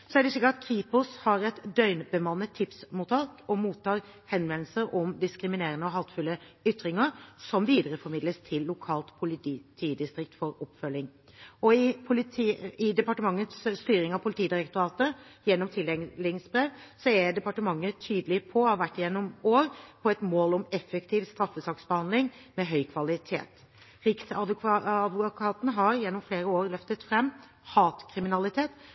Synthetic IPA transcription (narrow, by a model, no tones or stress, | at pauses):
sɔæɖɛsɪkːəɾɑt̪kʰɾiːpʊshɑɾɛt̪d̪œʏnbəmɑnːət̪ʰːɪpsmuːt̪ʰɑːkɔmuːt̪ʰːɑːɾ | hɛnʋɛnl̩səɾʔɔmd̪ɪskɾɪmɪneːɾənəɔɦɑt̪fʉlːəʏt̪ːɾɪŋəɾsɔmʋiːd̪əɾəfɔɾmɪd̪ləst̪ʰɪlːʊkʰɑːlt̪pʰʊlɪt̪it̪ʰiːd̪ɪst̪ɾɪk̚t̪fɔɾɔpːfœlːɪŋ | ɔɪpʰʊlɪt̪ʰiɪd̪ɛpɑʈəmɑŋːət̪sst̪yːɾɪŋɑʋpʰʊlɪt̪ʰiːd̪ɪɾɛkt̪ʊɾɑːt̪əjɛnːɔmt̪ʰɪlɛlɪsbɾeːʋsɔɛɖ̪ɛpɑʈəmɑŋːət̪ʰyːd̪əlɪpʰɔɔʋæʈːjɛnːɔmoːɾpʰɔɛt̪moːlɔmɛfːɛkt̪ʰiːʋst̪ɾɑfːəsɑːksbəhɑnd̪lɪŋ | mɛɦœʏkʰʋɑlɪt̪ʰḛːt̪ | ɾɪksɑɑd̪ʋʊkʰɑːt̪nɦɑɾjɛnːɔmfleːɾəoːɾlœft̪ət̪fɾɛmː | hɑːt̪kʰɾɪmɪnɑlɪt̪ʰeːt̪